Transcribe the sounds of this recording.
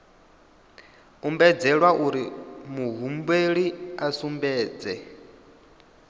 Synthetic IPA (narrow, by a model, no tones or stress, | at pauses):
umbɛd͡zɛɺwaʔuɾimuɦumbweɺiasumbɛːd͡zɛ